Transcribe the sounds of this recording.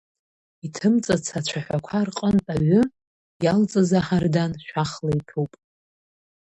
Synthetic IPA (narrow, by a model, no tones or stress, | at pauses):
itʰɨmt͡sʼat͡sʰat͡ʃʷʰaħʷᶣakʷʰarqʼəntʼaʕʷʊ | jalt͡sʼazaħardanʃᶣaχlajpʰupʼ